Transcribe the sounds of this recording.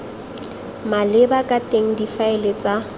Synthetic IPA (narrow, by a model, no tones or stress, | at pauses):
malɪbakʼatʼeŋ̩difaɪlɪt͡sʼa